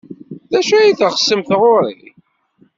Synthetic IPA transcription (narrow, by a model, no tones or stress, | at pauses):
ðæʃæjiθəχə̥sːəmθʁʊɾˤḭ